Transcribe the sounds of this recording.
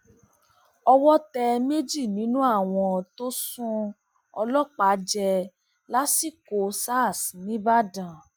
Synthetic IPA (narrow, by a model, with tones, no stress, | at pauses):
ɔ˧wɔ˦tɛ˧me˦d͡ʒi˦˨nĩ˨˦nũ˦a˦˨w̃ɔ̃˧˨to˦sũ˦ | ɔ̰˧lɔ˦k͡pa˨˦d͡ʒɛ˧ | la˦si˦˨ko˨sa˦˨snĩ˨˦ba˦˨dã˨